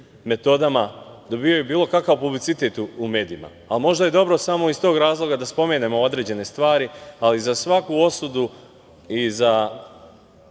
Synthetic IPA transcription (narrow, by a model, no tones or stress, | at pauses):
me̞t̪o̞d̪amad̪o̞bio̞jubiːlˠo̞kakaʋpublit̪sit̪e̞t̪uume̞ːd̪iima̰ːlmo̞ʒd̪aje̞d̪o̞bɾo̞samo̞ist̪o̞ːɡɾaːzlˠo̞ɡad̪aspo̞me̞ːne̞mo̞od̪ɾe̞ːd͡ʑe̞ne̞st̪ʋaːɾializasʋakuo̞sud̪u | iza